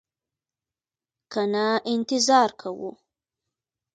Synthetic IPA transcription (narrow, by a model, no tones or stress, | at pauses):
kanaʔɪnt̪ɪzɑɾkʰawṵ